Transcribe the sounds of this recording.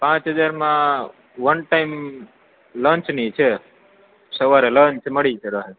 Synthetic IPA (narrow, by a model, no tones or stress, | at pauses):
pãt͡ʃɦəd͡ʒaɾmã | ʋənʈaim | lə̃nt͡ʃnit͡ʃʰe | səʋaɾelə̃nt͡ʃməɽit͡ʃʰeɾəɦe